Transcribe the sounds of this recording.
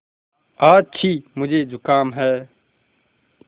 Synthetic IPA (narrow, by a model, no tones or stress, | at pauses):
aːt͡ʃʰiːmʊd͡ʒʱeːd͡ʒʱʊkaːmɦɛː